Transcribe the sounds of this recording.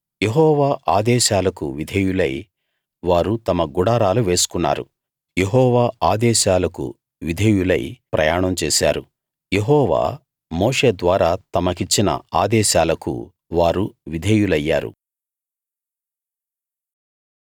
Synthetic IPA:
jeɦɔːʋaːʔaːd̪ɛːʃaːlɐkṵʋid̪ʱɐjulɐj | ʋaːɾut̪ɐmɐɡuɽaːɾaːluʋe̞ːsu̥kunːa̰ːɾṵ | jeɦɔːʋaːaːd̪ɛːʃaːlɐkṵ | ʋid̪ʱejulɐ̰jpɾɐ̰jaːɳɐmt͡ʃeːʃaːɾu | jeɦɔːʋa̰ː | moːʂe̞ːd̪ʋaːɾaːt̪ɐmɐkit͡ʃːinɐ̰aːd̪ɛːʃaːlɐkṵ | ʋaːɾuʋid̪ʱeːjulɐjːa̰ːɾṵ

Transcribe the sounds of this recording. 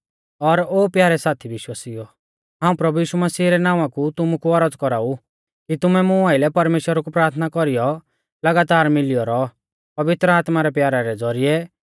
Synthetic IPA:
ɔɾoːpjaːɾɛsaːt̪ʰibɪʃwaːsijɔ | ɦãːũpɾɐbujiːʃumɐsiːɾɛnãːʋãkut̪ʊmukuɔɾəd͡zkɔɾaːu | kit̪ʊmɛmʊ̃aːɪlɛpɐɾmeːʃwəɾakupɾaːɾt̪ʰnakɔɾijɔ | lɐɡaːt̪aːɾmɪlɪjɔɾɔ | pɐʋɪt̪ɾəaːt̪maɾɛpjaːɾaɾɛd͡zɔɾijɛ

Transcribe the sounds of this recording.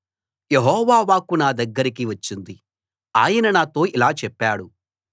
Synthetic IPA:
jeɦɔːʋaːʋaːkunaːd̪ɐɡːɐɾikiʋɐt͡ʃːind̪i | a̰ːjɐnɐnaːt̪o̞ːilaːt͡ʃɛpːaːɽu

